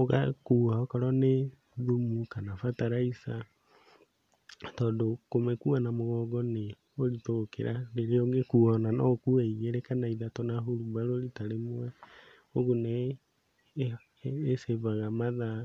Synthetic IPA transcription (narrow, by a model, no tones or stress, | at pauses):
oɣa̰kuːaokɔɾɔne | ðumukanafataɾaisa | tɔːndokomekuanamoɣɔːɡɔne | oɾitokḛɾaɾeɾeɔŋɡekuɔnanɔkuɛiɣeɾekanaiðatɔnaɦoɾubaɾolitaɾemowɛ | oɣone | sevaɣamaða